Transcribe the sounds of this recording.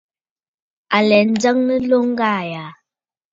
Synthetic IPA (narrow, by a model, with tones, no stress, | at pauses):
a˨lɛ˨n̩˨d͡zə˦ŋnə˦lo˦ŋ̩˦ɡa˦˨ja˨˦